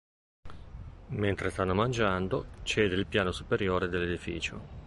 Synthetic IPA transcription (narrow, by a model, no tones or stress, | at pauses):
ment̪ɾest̪anːomand͡ʒand̪ot͡ʃɛːd̪eilpjaːnosupeɾjoːɾed̪elːed̪ifḭːt͡ʃo